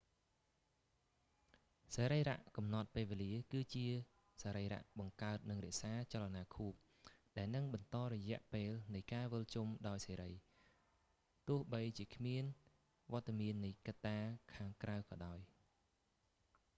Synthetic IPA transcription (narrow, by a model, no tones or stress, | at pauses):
seːɾəjra̰ʔkɑmnɑt̪̚peːlʋeːliəkɨːt͡ɕiə | saːɾəjra̰ʔɓɑŋkaət̪̚nɨŋrɛ̆əʔsaːt͡ɕalanaːkʰuːp̚ | ɗaɛlnɨŋɓɑnt̪ɑːɾɔjɛ̆əʔpeːlnɨjkaːʋəlt͡ɕumɗaɔjseːɾəj | t̪ʊ̆əhɓəjt͡ɕiəkʰmiən | ʋŏət̪ːamiənːɨjkat̪ːaːkʰaːŋkrawkɑːɗaɔj